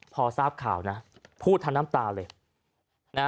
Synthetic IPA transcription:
pʰɔː˧saː˥˩p̚kʰaː˨˩˦wna˦˥pʰuː˥˩t̪ʰːa˧nːaː˦˥mt̪aː˧lɤː˧j | na˦˥

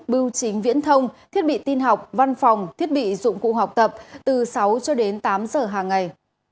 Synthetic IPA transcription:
ɓɨ˧wt͡ɕï˨˦ŋ̟vḭ˧˥ənt̪ʰə˧wŋ͡mt̪ʰi˦˥ət̚ɓḭ˧˨t̪i˧nɦa˨˩wk͡p̚va˧nfa˨˩wŋ͡mt̪ʰi˦˥ət̚ɓḭ˧˨zʊ̰˧˨ŋ͡mkṵ˧˨ɦa˨˩wk͡p̚t̪ə˨˩p̚t̪ɨ˨˩sa˨˦wt͡ɕɔ˧ɗe˨˦nt̪aː˨˦mzəː˨˩ɦaː˨˩ŋːa˨˩j

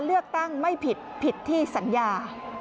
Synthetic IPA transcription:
lɯ˥˩ək̚t̪a˥˩ŋma˥˩jpʰi˨˩t̪̚pʰi˨˩t̪ʰːiː˥˩sa˩˦njaː˧

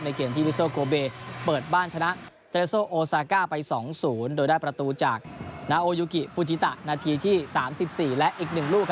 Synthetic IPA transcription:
na˧jkeː˧mt̪ʰiː˥wi˦˥soː˥˩koː˧beː˧pɤː˨˩t̪̚baː˥˩nt͡ɕʰa˧na˦˥ʔ | se˦˥soː˥˩ʔoː˧saː˧kaː˥˩pa˧jsɔː˩˦ŋsuː˩˦ndoː˧jdaː˥˩jpɾa˧t̪uː˧t͡ɕaː˨˩k̚naː˧ʔoː˧juː˦˧˥ki˨˩fu˧˩t͡ɕi˦t̪a˨˩ʔnaː˧t̪ʰiː˧t̪ʰiː˥˩saː˩˦msi˨˩p̚siː˨˩lɛ˦˥ʔiː˨˩k̚nɯ˨˩ŋluː˥˩k

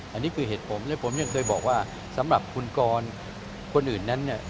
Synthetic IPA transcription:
ʔa˧nːiː˦˥kʰɯː˧ɦeː˨˩t̪̚pʰo˩˦mlɛ˦˥pʰo˩˦mja˧ŋkʰɤː˧jbɔː˨˩k̚waː˥˩ | sa˩˦mɾa˨˩p̚kʰu˧nkɔː˧n | kʰo˧nʔɯː˨˩nːa˦˥nːi˥˩ɐ

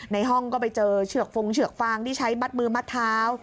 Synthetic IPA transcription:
na˧jɦɔ˥˩ŋkɔː˥˩pa˧jt͡ɕɤː˧t͡ɕʰɯ˥˩ək̚fo˧ŋt͡ɕʰɯ˨˩ək̚faː˧ŋt̪ʰiː˥˩t͡ɕʰa˦˥jba˦˥˩t̪̚mɯː˧maː˦˥˩t̪ʰːaː˦˥w

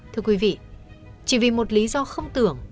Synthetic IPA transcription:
t̪ʰɨ˧əkwi˨˦vḭ˧˨ | t͡ɕḭ˧˩vi˨˩mo˨˩t̚li˨˦zɔ˧xə˧wŋ͡mt̪ɨ˨˩əŋ

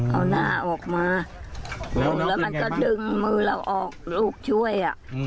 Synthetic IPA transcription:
ʔa̰˧wnaː˧˩ʔɔː˨˩k̚maː˧ | llɛː˦˥ma˧nkɔː˧˩dɯ˧ŋmɯː˧la˧wʔɔː˨˩k̚luː˧˩k̚t͡ɕʰu˥˩əjʔa̰˨˩ʔ

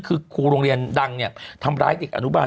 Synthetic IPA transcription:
kʰɯː˧kʰuː˧ɾoː˧ŋɾi˧ənda˧ŋni˧˩ɐt̪ʰa˧mɾaː˦˥jde˨˩k̚ʔa̰˧nu˦˥maː˧

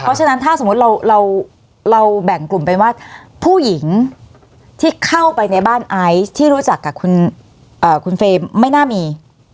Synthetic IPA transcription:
pʰɔ˦˥t͡ɕʰa˧na˦˥nt̪ʰaː˥˩so˩˦m˦˥t̪̚ɾa˧wɾa˧w | ɾa˧wbɛ˨˩ŋklu˨˩mpe˧nwaː˥˩pʰuː˥˩ji˩˦ŋ | t̪ʰiː˥˩kʰa˥˩wpa˧jna˧jbaː˥˩nʔa˦˥jt̪ʰiː˥˩ɾuː˦˥t͡ɕa˨˩kːaː˨˩kʰu˧n | ʔɤː˨˩kʰu˧nfeː˧ma˥˩jnaː˥˩miː˧

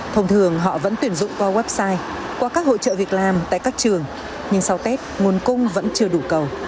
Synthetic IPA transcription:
t̪ʰə˧wŋ͡mt̪ʰɨ˨˩əŋɦɔ̰˧˨və̰˧˥nt̪wi˧˩ənzʊ̰˧˨ŋ͡mkwa˧wɛ˦˥p̚saː˧j | kwaː˧kaː˦˥k̚ho̰˧˨t͡ɕə̰ː˧˨vi˨˩ət̚laː˨˩mt̪a̰ː˧˨jkaː˦˥k̚t͡ɕɨ˨˩əŋ | ɲɨ˧ŋsa˧wt̪e˦˥t̚ŋu˨˩ənkʊ˧ŋ͡mvə̰˧˥nt͡ɕɨ˧əɗu˧˩kə˨˩w

